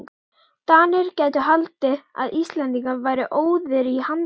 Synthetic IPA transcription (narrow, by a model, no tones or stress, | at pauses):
t̪aːnɪɾ̥cɛːjt̪ʏɦalt̪ɪa̰ðist̪lɛnt̪iŋkavaːjɾɪʔoːwðɪɾihan